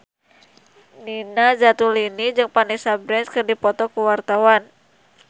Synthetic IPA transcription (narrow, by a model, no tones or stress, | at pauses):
ninad͡ʒat̪ulinid͡ʒɨŋpanisabɾɛnskɨrdipɔt̪ɔkuwart̪awan